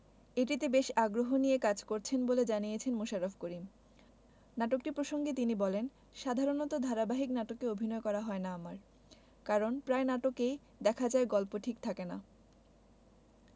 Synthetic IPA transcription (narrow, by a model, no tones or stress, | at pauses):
eʈ̬it̪ebeʃaɡɾoɦonijekad͡ʑkoɾt͡ɕʰenboled͡ʑanijet͡ɕʰenmoʃaɾofʰkoɾim | naʈokʈiɾpɾoʃoŋɡet̪inibɔlen | ʃad̪ʱaɾonɔt̪od̪ʱaɾabaɦiknaʈokeobʱinɔekɔɾaɦɔenaamaɾ | kaɾonpɾaenaʈokej | d̪ɛkʰad͡ʑaeɡɔlpoʈʰikt̪ʰakena̰